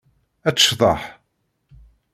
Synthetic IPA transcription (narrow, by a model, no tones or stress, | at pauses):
æt͡sːə̥ʃðˤɑħ